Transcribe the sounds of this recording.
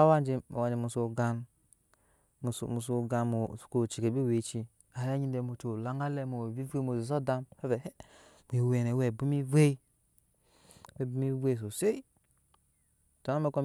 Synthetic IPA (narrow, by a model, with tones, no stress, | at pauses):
wa˦nd͡ʒi˨mo˨a˨d͡ʒi˨mu˨so˨ɡa˦n˨ | mu˨so˨ɡa˨nmo̥˨ko˨t͡ʃi˨ke˨bi˦we˨t͡ʃi˦ | a˨ja˦ɲi˦nde˨mo˨t͡ʃo˨la˦ŋa˦le˦mo˨bi˦ve˦mo˨zi˨s̬o˦da˦mhe˦ve˨hm˨e˨we˨ne˨˦we˨bu˦mi˦ve˦i˦ | we˦˨bu˦mi˦ve˦˨s̬o˨se˦i˦˨ | ta˨na˦me˦ko˦m